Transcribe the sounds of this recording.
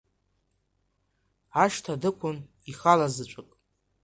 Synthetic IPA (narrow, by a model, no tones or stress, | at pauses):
aʃtʰadɨkʷʰʊn | iχalazɨt͡ʃʷʼakʼ